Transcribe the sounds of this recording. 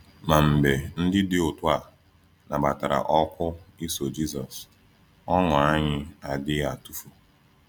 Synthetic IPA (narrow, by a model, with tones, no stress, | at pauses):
ma˨m̩˨be˨n̩˦dɪ˦dɪ˦ʊ˨tʊ˦a˨ | na˨ba˨ta˨ɾa̰˨ʔɔ˦kʷʊ˦i˦so˨d͡ʒi˦zɔ˨s | ɔ˦ŋʊ˨a˦ɲɪ˦a˨dɪ˦a˨tu˦fu˦